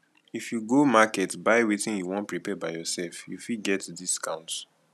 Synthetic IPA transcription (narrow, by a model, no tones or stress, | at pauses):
ifjuɡomakɛtbaɪwetĩnjuwɔ̃ntpɹipɛbaɪjɔsɛlfjṵfid̚ɡɛtdiskãʊ̃nt